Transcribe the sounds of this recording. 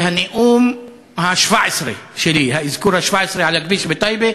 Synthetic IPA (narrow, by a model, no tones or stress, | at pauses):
haneʔum | haʃvaʕesɾḛʃelihaizkuɾhaʃvaʕesɾeʕalakbiʃbet̪ajbe